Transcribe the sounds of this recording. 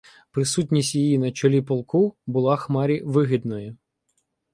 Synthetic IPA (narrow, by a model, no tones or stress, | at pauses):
pɾɪsutʲnʲisʲtʲjijinɐt͡ʃɔlʲipɔlˠkubʊlˠɑxmɑɾʲiʋɪɦʲid̪nɔji